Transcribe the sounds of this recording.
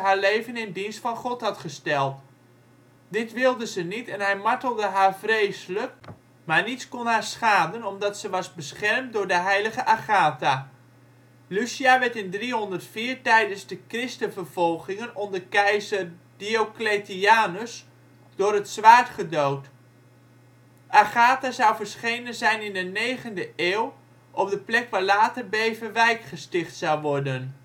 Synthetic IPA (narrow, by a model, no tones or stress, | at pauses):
ɦaːɹlejvənɪndinstfɑnχɔtɦɑtχəstɛlˠt | dɪtʋɪlˠdəzənitɛnɦɛjmaɹtəlˠdəɦaːɹvrejsələk̚ | maːɹnitskɔnɦaːɹsχaːdənɔmdɑtsəʋɑzbəsχɛrmt̚dʊːɹdəɦɛjləɣəʔaχaːta | lysiaʋɛɹtɪndriɦɔndərtfiːɹtɛjdənzdəkrɪstənvərv̥ɔlˠχɪŋənɔndəɹkɛjzərdiokletiaːnəs | dʊːɾətsʋaːɹtχədowt | ʔaχaːtazʌwvəɹsχejnənzɛjnɪndənejχəndəʔeːw | ʔɔpdəplɛkʋaːɹlaːtərbejvənʋɛjkχəstɪχtsɑwʋɔɹdən